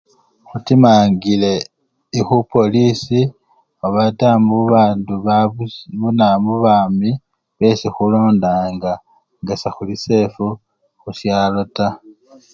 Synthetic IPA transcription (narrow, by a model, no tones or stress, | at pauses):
xutimaːŋɡile̞ | ixupo̞lisi | oβatamuβaːnduβ | βunamuβaːmi | βe̞sixulo̞ːndaːŋɡa | ŋɡasaxulise̞fu | xusjalota